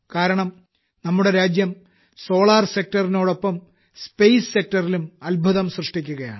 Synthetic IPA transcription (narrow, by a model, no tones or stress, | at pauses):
kaːɾɐɳɐm | nɐmːuɽe̞ɾaːd͡ʑjɐm | so̞ːɭaːrsek̚tɐrino̞ːɽo̞pːɐm | spejssek̚tɐrilumɐlbʱuðɐmsrɨʂʈikʲːuɣɐja̰ːɳɨ